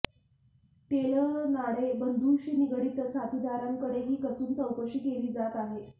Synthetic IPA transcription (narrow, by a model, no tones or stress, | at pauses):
t̪elənaɽebənd̪ʱuːɕiːniɡəɽit̪əsat̪ʰid̪aɾaŋkəɽeɦiːkəsuːnt̪əwpəɕiːkeliːd͡zat̪aɦe